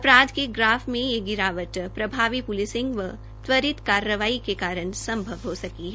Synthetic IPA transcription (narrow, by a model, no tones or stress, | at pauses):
ɐpɾaːd̪keɡɾaːfmẽjeɡɪɾaːʋəʈ̪pɾɐbʱaːʋipʊlɪsɪ̃ŋɡʋə | t̪ʋəɾɪt̪kaːɾəʋaːikekaːɾənsɐ̃mbʱəʋɦosɐkiɦɛ